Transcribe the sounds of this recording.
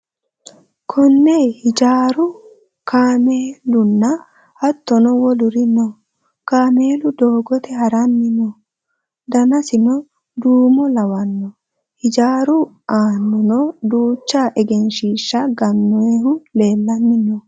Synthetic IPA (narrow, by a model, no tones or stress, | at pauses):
kʰɔnːehɪd͡ʒaːɾʊ | kʰaːmeːlʊnːɐ | hɐt̪ːɔnɔwɔlʊɾɪnɔ | kaːmeːlʊd̪oːɡɔt̪ɛhɐɾɐnːɪnɔ | d̪ɐnɐsɪnɔ | d̪uːmɔlɐwɐnːɔ | hɪd͡ʒaːɾʊ | ʔaːnːɔnɔd̪uːt͡ʃːaːʔɛɡɛnʃiːʃːɐɡɐnːɔehʊle̞ːlːɐnːɪnɔ